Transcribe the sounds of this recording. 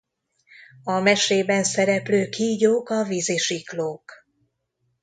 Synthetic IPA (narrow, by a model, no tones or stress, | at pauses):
ɒmɛʃeːbɛnsɛɾɛpløːkʰiːɟoːkɒviziʃikloːk